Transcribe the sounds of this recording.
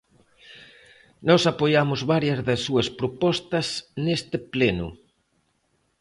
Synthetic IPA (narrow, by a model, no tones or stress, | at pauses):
nɔsapojamʊzβaɾjɐzðɐsːuɐspɾopɔst̪ɐsnest̪ɪplɛnʊ̰